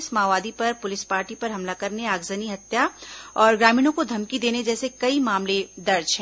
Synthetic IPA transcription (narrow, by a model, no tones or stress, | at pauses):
smaːʋaːd̪ipɐɾpʊlɪspaːɾʈipɐɾɦɐmlakɐɾneaːɡzəniɦɐt̪jaɔːɾɡɾaːmiːnõkod̪ʱɐmkid̪eːned͡ʒɛːsekɐimaːmled̪ɐɾd͡ʒɦɛ̃ː